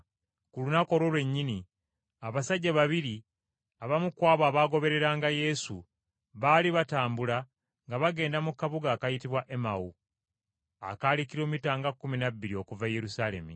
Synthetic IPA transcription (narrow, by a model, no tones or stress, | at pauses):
kulunako̞lwolwe̞ɲːini | aβasaɟːaβaβiɾi | aβamukwaːβwaːβaːɡo̞βe̞ɾe̞ɾaːŋɡaje̞sṵ | βaːliβataːmbula | ŋɡaβaɡe̞ːndamukːaβuɡaːkajitiβwaʔemawu | a̰kaːlikiɾomitaːŋɡakːuminaβːiɾio̞kuvaje̞ɾusalemi